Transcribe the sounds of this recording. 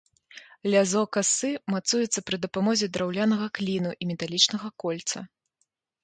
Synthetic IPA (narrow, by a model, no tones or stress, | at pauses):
lʲazɔkasɨmat̪sujɛt̪sːɐpɾɨd̪ɐpamɔzʲɛd̪ɾawlʲanɐɣɐklʲinuʔimʲɛt̪alʲit͡ʂnɐɣɐkɔlʲt̪sɐ̰